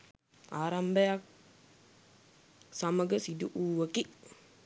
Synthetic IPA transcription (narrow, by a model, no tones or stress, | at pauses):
aɾambɛak̚ | samaɡəsiduʔuəkiʔ